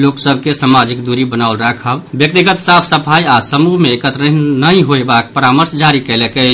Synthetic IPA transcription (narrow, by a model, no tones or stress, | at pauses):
loksəb̚ʱkesamad͡ʒikd̪uɾibənaʊlɾəkʰəbbjək̚t̪iɡət̪sapʰsəpʰajasəmuɦmeːkət̪ɾəɦnəĩɦoebak̚pəɾaməɾsd͡ʒaɾikəlekɛ